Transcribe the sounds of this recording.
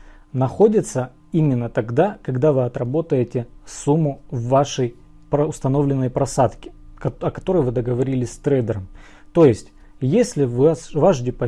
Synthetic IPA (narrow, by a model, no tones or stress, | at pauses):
nɐxo̞dʲɪt̪sə | imʲɪnːət̪ɐɡd̪akɐɡd̪avɨɐt̪ɾɐbo̞t̪əjɪtʲɪsumːʊvːaʂəj | pɾəʊst̪ɐno̞vlʲɪnːəjpɾɐsat̪kʲɪ̥ɐkɐt̪o̞ɾəjvɨd̪əɡəvɐɾʲilʲɪsʲst̪ɾɛjd̪əɾəm | t̪o̞jɪsʲtʲ | jesʲlʲɪvvaʐdʲɪpɐ